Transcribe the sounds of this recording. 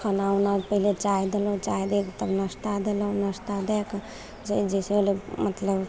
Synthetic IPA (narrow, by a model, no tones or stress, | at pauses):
kʰənawnapəɦilet͡ʃaid̪elə̃t͡ʃaid̪ekt̪əbnəst̪ad̪elə̃nəst̪ad̪ɛk | d͡ʒəd͡ʒeseolemət̪ləb